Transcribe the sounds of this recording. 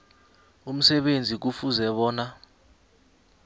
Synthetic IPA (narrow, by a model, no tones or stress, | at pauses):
um̩sɛɓend͡zʱik̬ufuzɛɓɔːna